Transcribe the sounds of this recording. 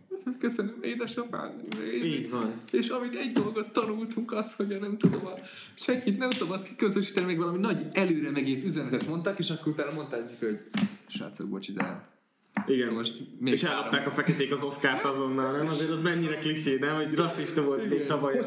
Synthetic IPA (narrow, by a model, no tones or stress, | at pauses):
at̪køsønømeːd̪ɛʃofa̰ːneiːɟvɒneːʃɒmit̪ɛɟd̪o̞lɡo̞t̪ːɒnult̪uŋkɒsho̞ɟɒnɛmt̪ud̪o̞mɒ | ʃɛŋkit̪nɛmsɒbɒt̪ki̥køzøʃi̥ːt̪ɛnimeːɡvɒlɒminɒɟɛløːɾɛmɛɡeːt̪yzɛnɛt̪ɛt̪mo̞nt̪akeːʃɒkːoɾut̪aːnɒmo̞nt̪aːkikøoɟʃa̰ːt̪so̰ɡbo̰t͡ʃid̪ɛ̰ | iɡɛnmoʃt̪meːeʃɛllːɒpɾt̪aːkɒfɛkɛt̪eːkɒzo̞skaːrt̪ɒzo̞nːɒlnɛmɒzeːɾot̪mɛɲːiɾɛkliʃeːnɛmɦoɟrɒsiʃt̪ovolmeːt̪ɒvɒj